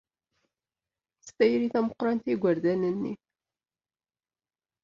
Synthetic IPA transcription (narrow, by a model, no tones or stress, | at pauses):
st̪ːæjɾiθæməqɾˤɑnt̪iɡʷəɾd̪ænənːḭ